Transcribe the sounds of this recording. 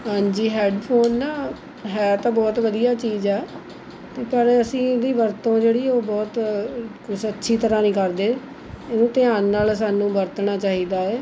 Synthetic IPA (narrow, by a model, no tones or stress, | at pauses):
ɦãːɲd͡ʒiːɦɛːɖpʰoːnːaː | ɦɛːt̪ãːbɔːt̪ʋəd̪ijaːt͡ʃiːzɛː | t̪eːpəɾəsĩːd̪iːʋəɾt̪õːd͡ʒeːɽiːoːbɔːt̪kʊsətːʃʰiːt̪əɾãːnĩːkəɾd̪eː | enũːt̪ɪaːnːaːlsaːnũːbəɾt̪naːt͡ʃaːɦiːd̪aːɛː